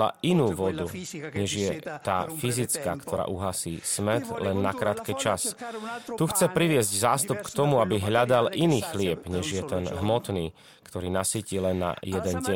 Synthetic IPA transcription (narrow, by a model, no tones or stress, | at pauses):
la̰inuːʋɔd̪uɲɛʒɪjɛt̪a̰ːfizit͡ska̰ːkt̪ʰɔɾa̰ːʔuɦaːsiːsmɛt̪lɛnːakɾaːt̪kɛt͡ʃast̪uxt͡sɛpɾiʋɪɛzɟzaːst̪upkt̪ɔmuabiɦʎad̪alʔiniːxlɪɛbɲɛʒɪjɛt̪ɛnɦmɔt̪niː | kt̪ɔɾiːnasiːcilɛnːa̰jɛd̪ɛnɟɛɲ